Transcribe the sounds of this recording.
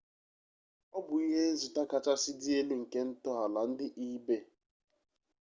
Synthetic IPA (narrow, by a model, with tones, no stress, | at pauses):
ɔ˦bʊ˨i˦ɦe˦n̩˦zi˨ta˦ka˨t͡ʃa˦si˦di˦e˦le˦ŋ̩˨ke˦n̩˦tɔ˦ɦa˨la˨n̩˦dɪ˦ʔi˦be˦